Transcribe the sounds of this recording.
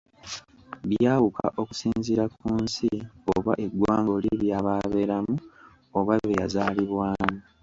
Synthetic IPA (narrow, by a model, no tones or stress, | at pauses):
βjaːwukʰa̰ʔo̞ku̥siːnziɾakuːnsioβa̰ʔe̞ɡwaːŋɡo̞liβjaːβaːβe̞ɾamu | oβaβeja̰zaːliβwaːmu